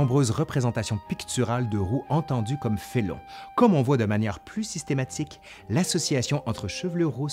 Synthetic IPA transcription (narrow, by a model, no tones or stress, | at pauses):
ɔ̃bʁøːzʁəpχezɑ̃t̪asjɔ̃pikt̪yʁald̪əʁuʔɑ̃t̪ɑ̃d̪ykɔmfelɔ̰̃kɔmɔ̃vwad̪əmanjɛːʁplysist̪emat̪ʰik | lasɔsijasjɔ̃ʔɑ̃t̪χəʃəvløʁu